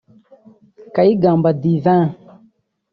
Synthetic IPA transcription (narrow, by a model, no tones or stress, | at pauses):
kaiɡãmbadivã